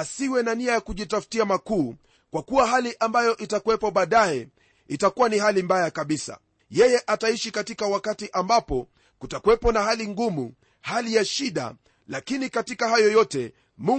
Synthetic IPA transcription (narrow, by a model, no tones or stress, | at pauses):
asiwɛnaniajakuʄitafu̥tiamakuː | kwakuwaɦaliʔambajɔʔitakuwɛpɔɓaːɗajɛ | itakuwanihalimbajakaɓisa̰ | jɛjɛʔataiʃikatikawakatiʔambapɔ | kutakuwɛpɔnahaliŋɡumu | halijaʃiɗa̰ | lakinikatikaɦajɔjɔtɛ | mu